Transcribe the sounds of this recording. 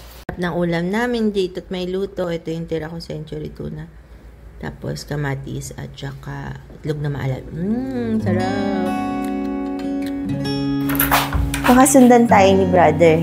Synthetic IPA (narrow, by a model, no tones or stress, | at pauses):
ɾɐp̚nɐŋʔuːlɐmnaːmɪnd͡ʒejt̪ot̪̚mɐjluːt̪o̞ʔɛt̪ojʊŋt̪ɛɾɐkosɛnt͡ʃʊɾit̪ṵːnɐ | t̪a̰ːpo̰skɐmat̪ḭsɐ̰t̪̚t͡ʃɐka̰ | t̪loɡ̚nɐmɐ̰ʔɐ̰la̰m̩sɐɾa | pɐkɐsʊnd̪ant̪aːjonɪbɾad̪ɛɹ